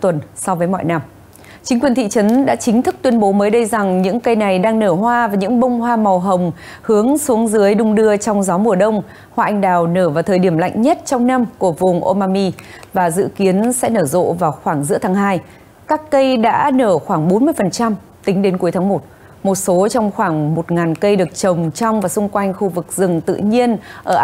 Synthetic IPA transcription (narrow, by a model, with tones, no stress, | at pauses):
t̪wə˨˩nsɔ˧wvəː˨˦jmɔ̰˧˨jna˧m | t͡ɕï˨˦ŋ̟kwi˨˩ənt̪ʰḭ˧˨t͡ɕə˨˦nɗa̰ː˧˥t͡ɕï˨˦ŋ̟t̪ʰɨ˦˥k̚t̪wi˧ənɓo˨˦məː˨˦jɗə˧jza˨˩ŋɲɨ̰˧˥ŋkə˧jna˨˩jɗaː˧ŋnəː˧˩ɦwaː˧vaː˨˩ɲɨ̰˧˥ŋɓə˧wŋ͡mhwaː˧mɔ˨˩wɦə˨˩wŋ͡m | hɨ˨˦əŋsu˨˦əŋzɨ˨˦əjɗʊ˧ŋ͡mɗɨ˧ət͡ɕɔ˧wŋ͡mzɔ˨˦mu˨˩əɗə˧wŋ͡m | hwaː˧ʔa˧jŋ̟ɗaː˨˩wnəː˧˩vaː˨˩t̪ʰəː˨˩jɗi˧˩əmla̰˧˨jŋ̟ɲə˦˥t̚t͡ɕɔ˧wŋ͡mna˧mku˧˩əvʊ˨˩ŋ͡mʔo˧maː˧mi˧vaː˨˩zɨ̰˧˨ki˨˦ənsɛ̰˧˥nəː˧˩zo̰˧˨vaː˨˩wxwaː˧˩ŋzɨ̰˧˥ət̪ʰaː˨˦ŋhaː˧j | kaː˦˥kːə˧jɗa̰ː˧˥nəː˧˩xwaː˧˩ŋɓo˨˦nmɨ˧əjfə˨˩nt͡ɕa˧m | t̪ï˨˦ŋ̟ɗe˨˦nku˨˦əjt̪ʰaː˨˦mo˨˩t̚ | mo˨˩t̚so˨˦t͡ɕɔ˧wŋ͡mxwaː˧˩ŋmo˨˩t̚ŋaː˨˩nkə˧jɗɨ˨˩ək̚t͡ɕə˨˩wŋ͡mt͡ɕɔ˧wŋ͡mvaː˨˩sʊ˧ŋ͡mkwa˧jŋ̟xu˧vɨ˨˩k̚zɨ˨˩ŋt̪ɨ̰˧˨ɲi˧ənʔəː˧˩ʔ